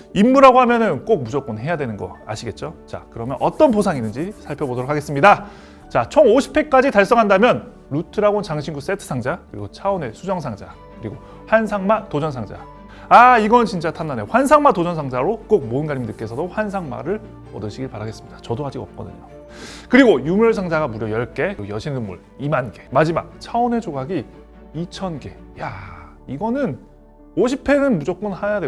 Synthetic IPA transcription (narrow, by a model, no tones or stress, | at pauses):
imːuɾaɡoɦamjʌnɯnk͈ok̚mud͡ʑok͈onɦe̞jadwe̞nɯnɡʌ̰a̰ɕʰiɡe̞t̚t͡ɕ͈ot͡ɕa̰kɯɾʌmjʌnʔʌt͈ʌnposʰaŋinːɯnd͡ʑisʰaɭpʰjʌbodʌɾokʰaɡe̞s͈ɯmɲida | t͡ɕat͡ɕʰʌŋoɕʰi̥pʰːek̚k͈ad͡ʑitaɭs͈ʌŋɦandamjʌn | ɾutʰɯɾaɡont͡ɕaŋɕʰinɡus͈e̞tʰɯ̥sʰaŋd͡ʑakɯɾḭɡot͡ɕʰaone̞sʰud͡ʑʌŋsʰaŋd͡ʑa̰kɯɾiɡo | ɸansʰaŋmatod͡ʑʌnsʰaŋd͡ʑa̰ | aiɡʌnɯnt͡ɕint͡ɕ͈atʰanːaneɸwansʰaŋmatod͡ʑʌnsʰaŋd͡ʑaɾok͈ok̚moɯnɡaɾimdɯk͈e̞sʰʌdoɸwans̬ʰaŋma̰ɾɯɭ | ʌdɯɕʰiɡiɭpaɾaɡe̞s͈ɯmɲid̥ḁt͡ɕʌdoɦad͡ʑiʌ̰p̚k͈ʌdɯ̰ɲo | kɯɾiɡojumjʌɭs̬ʰaŋd͡ʑaɡamuɾjʌjʌɭk͈e̞kɯɡojʌɕʰinnɯmːuɭ | imanɡe̞mad͡ʑima̰k̚t͡ɕʰaone̞d͡ʑoɡaɡi | it͡ɕʰʌnɡe̞ja | iɡʌnɯn | oɕʰipʰe̞nɯnmud͡ʑok̚k͈unhajadwe